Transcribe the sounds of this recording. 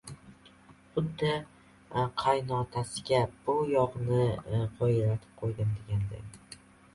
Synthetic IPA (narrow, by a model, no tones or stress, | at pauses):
χʊd̪ːɪ | qʰajnɒt̪ʰasɪɡʲabʊjɒʁnɪʁɒjɾat̪ʰɪ̥p̚qʰojd̪ɪmd̪eɡʲand̪ɪ̰